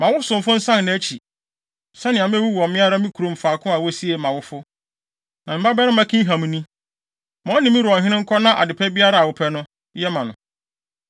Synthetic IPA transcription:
mã˨wʊ˦sʊ̃˨m˨fʊ˦n̩˦sã˦nnã˨æ˦t͡ɕʰi˨ | sɛ˦nɪ̃˨ã˨m̃˦wu˦wɔ˨mɪ̃˦a˦ɾa˦mĩ˦kʰu˨ɾõ˨m̩˨faː˨kʰʊ̃˦a˨wɔ˦si˦ɛ˨mã˨wʊ˦fʊ˦ | nã˨m̩˨ba˦bɛ˦ɾɪ̃˦mã˦kʰĩ˦ɦã˨m̃˨˦nĩ˦ | mɔ̃˦nɪ̃˨mɪ̃˦ɾʊ˨ɔ˨ɦɪ̃˦nɪ̃˦ŋ̩˦kʰɔ˦nã˦ʔa̰˨dɪ˨pʰɛ˦bi˦a˦ɾa˨a˨wʊ˦pʰɛ˦nʊ̃˦ | jɛ˦mã˨nʊ̃˨

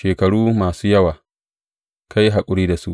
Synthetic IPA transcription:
ʃeː˨kɐ˨ɽuː˦maː˨suː˦jɐ˦waː˨ | ka˦ji˦ɦa˨kʷʼʊ˦ɽiː˦da˨su˦ʔ

